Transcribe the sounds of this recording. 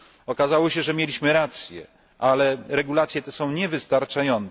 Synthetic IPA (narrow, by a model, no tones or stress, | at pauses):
ɔkazawɔɕɛʐɛmʲjelʲiɕmɘɾat̪sʲjɛ̰ | ʔalɛɾɛɡulat̪sʲjɛt̪ɛsɔ̃w̃ɲɛvɘst̪aɾt͡ʂajɔnt̪